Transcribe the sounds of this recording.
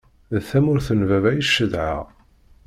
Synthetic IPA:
ðθæmʊɾθənvævæjəʃːəðʕa̰ʁ

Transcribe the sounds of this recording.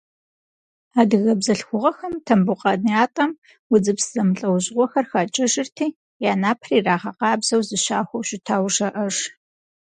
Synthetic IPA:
aːdɨɣɐbzɐɬxʷʊʁɐxɐmtʰɐmbʊqʼɑnijaːtʼɐm | wʊd͡zɨpsz̥ɐmɨɬʼɐwʑʼʁʷɔxɐrxat͡ʃʼɪʒɪrtʰiː | jaːnaːpʰriːraːʁɐqɑːbzɐwzɨɕaːxʷɐwɕɪtʰaːwʐɐʔɐʐ

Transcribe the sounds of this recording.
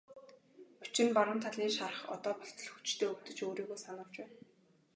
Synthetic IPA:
u̥t͡ɕɪ̆npaɾə̆mt̪ʰaɮiːŋʃarə̆χɔ̰t̪ɔːpɔɬt̪ɞ̆ɮxut͡ɕt̪ʰeːɵkt̪ɵ̆t͡ɕoːɾiːɣoːsanə̆w̥t͡ɕpæːn

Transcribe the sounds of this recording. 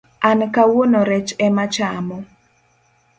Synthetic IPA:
ankawonoɾɛt͡ʃɛmat͡ʃamɔ

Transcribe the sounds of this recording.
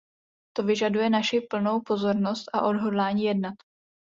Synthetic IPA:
t̪o̞vɪʒadujɛnaʃɪpl̩no̞wpo̞zo̞ɾno̞st̪ʔaʔo̞dɦo̞dlaːɲiːjɛdnat̪

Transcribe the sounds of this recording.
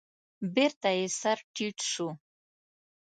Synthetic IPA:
beɾt̪aesaɾʈʰiʈʂu

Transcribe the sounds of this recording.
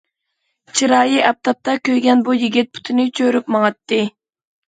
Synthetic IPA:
t͡ʃʰiɾɑːjiʔɑp̚t̪ʰɑp̚t̪ɑkʲøjɡʲɛnbujiɡʲit̪̚pʰu̥t̪ʰɪnɪt͡ʃʰøɾypmɑŋɑt̪ːɨ

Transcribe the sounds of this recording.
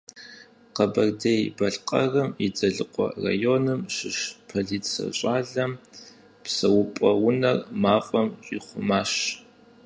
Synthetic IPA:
qɐbɐrdejbɐɬqʼɐ̰rɐmid͡zɐɮɨqʷʼɔ̰ra̰joːnɨmʃɪʃpʰɐɮiːtsɐ̰ɕʼaːɮɐm | psɐwʊpʼɐwʊnɐrmaːfʼɐmɕʼiχʷʊmaːɕ

